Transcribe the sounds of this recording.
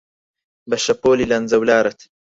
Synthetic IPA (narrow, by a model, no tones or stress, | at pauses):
bɐʃɐpoːlilɐnzɐwlaːɾɐt̪ʰ